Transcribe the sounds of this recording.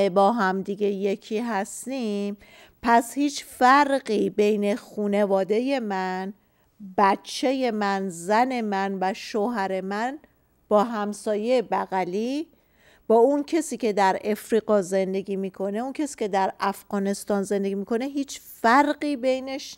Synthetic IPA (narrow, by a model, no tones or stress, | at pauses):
bɒːɦæmd̪iɡe̞je̞cʰiːɦæst̪iːm | pʰæshiːt͡ʃfæɾɢiːbe̞jne̞xuːne̞vɒːd̪e̞je̞mæn | bæt̪t͡ʃʰːe̞je̞mænzæne̞mænvæʃoɦæɾe̞mæn | b̥ɒːɦæmsɒːjeːbæɣæliː | b̥ɒːuncʰe̞siːcʰe̞d̪æɾe̞fɾiːɢɒːze̞nd̪e̞ɡiːmiːkʰo̞ne̞unkʰesi̥ːcʰe̞d̪æɾæfɣ̥ɒːne̞st̪ɒːnzend̪e̞ɡimikʰo̞neɦiːt͡ʃfæɾɢiːbejneʃ